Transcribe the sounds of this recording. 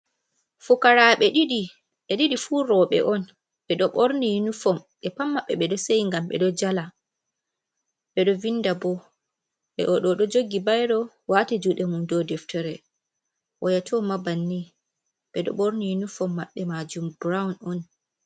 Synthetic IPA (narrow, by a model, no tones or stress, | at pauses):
fukaɾaɓɛɗiɗi | ɛɗiɗifuːɾɔɓɛ̰ʔɔn | ɓɛɗɔɓoɾnijinufɔmɓɛpamːaɓɛɓɛɗɔsejŋɡamɓɛ̰ɗɔd͡ʒala | ɓɛɗɔvindabɔ | ɓɛ̰ʔɔɗɔɗɔd͡ʒoɡibajɗɔ | watɛd͡ʒuɗɛmundɔdɛftɛɾɛ | ʔɔjatʰɔmabanːi | ɓɛɗɔ̰ɓoɾnijinufɔmːaɓːɛmad͡ʒumbɾawunɔn